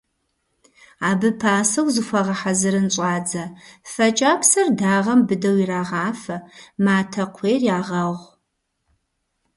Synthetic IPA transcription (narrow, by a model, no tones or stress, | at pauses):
aːbɨpʰaːsɐwzɨxʷɐʁɐħazɨɾɨnɕʷʼaːd͡zɐfɐt͡ʃʼaːpʰsɐrdaːʁɐmbɨdɐwiraːʁaːfɐmaːtʰɐqʷʰeːrjaːʁɐʁʷ